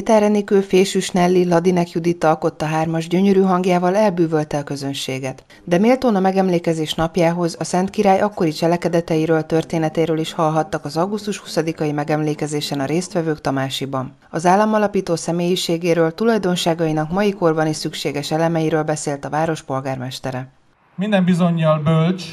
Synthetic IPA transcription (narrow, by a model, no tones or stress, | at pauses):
it̪aːrɛniːkøfeːʃyʃnɛlːilɒd̪inɛkjud̪it̪ːɒlko̞t̪ːɒɦaːrmɒʒɟøɲøɾyːɦɒŋɡjaːvɒlɛlbyːvølt̪ɛɒkø̞zønʃeːɡɛt̪ | d̪ɛmeːlt̪oːnɒmɛɡɛmleːkɛzeːʃnɒpjaːɦo̞zɒsɛnt̪kiɾaːjʔɒkːo̞ɾit͡ʃɛlɛkɛd̪ɛt̪ɛjiɾøːlt̪ø̞rt̪eːnɛt̪ɛiɾøːliʃhɒlɦɒt̪ːɒkɒzɒɡust̪uʃhusɒd̪ikɒjimɛɡɛmleːkɛzeːʃɛnɒɾeːst̪ʋɛvøːkt̪ɒmaːʃibɒn | ɒzaːlːɒmɒlɒpiːt̪oːsɛmeːjiʃeːɡeːɾøːlt̪ulɒjd̪o̞nʃaːɡɒinɒkmɒjiko̞rbɒniʃsykʃeːɡɛʃɛlɛmɛjiɾøːlbɛseːlt̪ɒvaːɾo̞ʃpo̞lɡaːrmɛʃt̪ɛɾɛ | mind̪ɛmbizo̞ɲːɒlbølt͡ʃ